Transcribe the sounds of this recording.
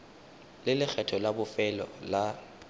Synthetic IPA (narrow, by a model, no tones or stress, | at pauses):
lɪlɪk͡xʰɛtʰɔlabʊfɛlɔ̰la